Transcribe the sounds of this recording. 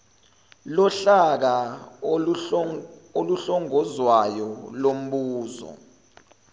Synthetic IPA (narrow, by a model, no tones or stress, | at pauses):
lɔɬak̬a | oluɬɔŋɔzwajɔlom̩ɓuːzɔ̰